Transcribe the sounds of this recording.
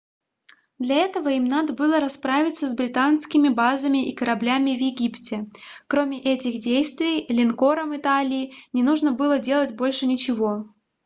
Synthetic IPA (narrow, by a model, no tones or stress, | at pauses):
d̪lʲɐɛt̪əvəimnad̪əbɨlˠəɾɐspɾavʲɪt̪səzbɾʲɪt̪anskʲɪmʲɪbazəmʲɪʔikəɾɐblʲamʲɪvjɪɡʲiptʲɪkɾomʲɪʔɛtʲɪxdʲejst̪vʲɪjlʲɪnko̞ɾəmɨt̪alʲɪːnʲɪnuʐnəbɨlˠədʲe̞lˠətʲbo̞lʲʂɨnʲɪt͡ɕɪvo̞